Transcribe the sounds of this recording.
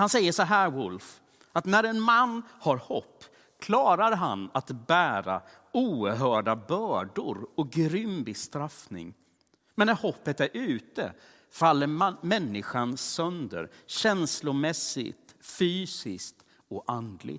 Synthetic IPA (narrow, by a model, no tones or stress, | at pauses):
hansɛjːəʂɔɦæːɾwʊlf | at̪næɾɛnmanːhaɾhɔpː | kʰlɑːɾaɾɦa̰nat̪bæːɾa̰ | uːɦœːɖabœːɖʊɾɔɡɾʏmbɪst̪ɾafnɪ̰ŋ | mɛnːæɾhɔpːət̪æɾʔʉ̟ːt̪ə̰ | falːəɾmɛnːɪɧansœnd̪ə̰ɾɕɛnslʊmɛsɪ̰t̪fyːsɪskt̪ | ɔʔand̪lɪ̰